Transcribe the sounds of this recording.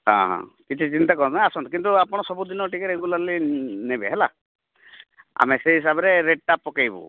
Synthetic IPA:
hã̰ɦã̰kit͡ʃʰit͡ʃint̪akɔɾnaasɔnt̪ɔkint̪uapɔɽ̃ɔsɔbud̪inɔʈikeɾeɡulaɾlinebeɦɛla̰ | a̰meseɦis̬abɔɾeɾeɖ̚ʈapːɔkajbṵ

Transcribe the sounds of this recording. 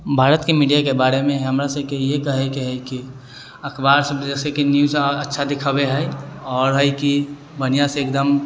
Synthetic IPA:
bʱaːɾət̪kemiɖijakebaːɾemẽɦəmɾasəb̚kejekəɦɛkeɦəjki | əkʰbaɾsəbd͡ʒɛːsekinjuzətːʃʰad̪ɪkʰəbeɦɛɔːɾɦəjki | bənijaseeːkd̪əm

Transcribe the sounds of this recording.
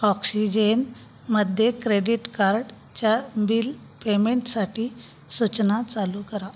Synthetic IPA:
ɔksid͡ʑen | məd̪ʱjekɾeɽiʈkaɾɽ | t͡ɕjabil | pemeɳʈsaʈiː | sut͡ɕnat͡salukəɾa

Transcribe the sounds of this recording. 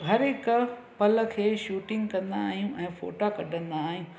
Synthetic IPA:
ɦɐɾɪkʊ | pɐlə̆kʰeːʃuːʈɪ̃ŋɡkɐ̃nd̪aːɦijũʔɛ̃ːfo̰ːʈakɐɖʱə̃nd̪aːɦijũ

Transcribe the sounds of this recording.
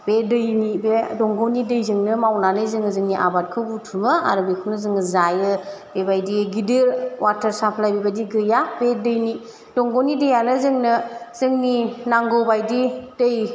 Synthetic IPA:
bedɯjnibedɔŋɡɔnidɯjzɯŋnɯmawnanɯzɯŋɯzɯŋniʔa̰bat̚kʰɯbutʰumɯa̰ɾɯbekʰɯwnɯzɯŋɯzajɯ | bebajdiɡidɯɾwatʰəɾsapʰlajbebadiɡɯjabedɯjni | dɔŋɡɔwnidɯjanɯzɯŋnɯzɯŋninaŋɡɔbajdid̥ɯj

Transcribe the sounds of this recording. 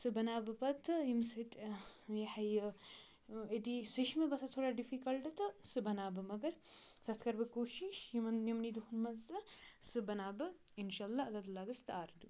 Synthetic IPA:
sɨbɐnaːbɨpɐt̪ʰːɨjimsɨt̪ʼjeħɐjɨ | et̪isɨʃmɐbɐsɐt̪ʰoːɽaːɖifikɐlʈɨt̪ɨsɨbɐnaːbɨmɐɡɐɾsɐt̪ʰkɐɾbɨkoːʃiʃjimɐnnɐmnid̪uhunmɐzt̪ɨsɨbɐnaːbɨ | inʃaːɐlːaːɐlːad̪ulaːɡɨst̪aːɾd̪u

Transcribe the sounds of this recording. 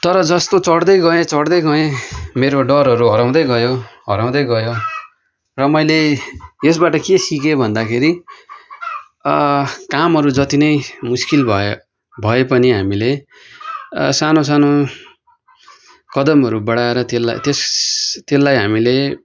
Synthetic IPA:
t̪ʌɾʌd͡zʌst̪ot͡sʌɽd̪ʌjɡʌẽt͡sʌɽd̪ʌjɡʌẽmeɾoɖʌɾɦʌɾuɦʌɾaw̃d̪ʌjɡʌjoɦʌɾaw̃d̪ʌjɡʌjo | rʌmʌjleesbaʈʌkesikebʱʌnd̪akʰeɾi | kamɦʌɾud͡zʌt̪inʌjmuskilbʱʌ | bʱʌepʌniɦamile | sanos̬ano | kʌd̪ʌmɦʌɾubʌɽaeɾʌt̪elːa̰jt̪est̪elːajɦamile

